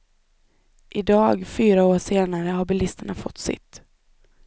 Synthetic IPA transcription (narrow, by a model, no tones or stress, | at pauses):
ʔɪd̪ɑːɡfyːɾaoːʂeːnaɾəɦaɾbɪlɪst̪əɳafɔt̪ːsɪ̰t̪ː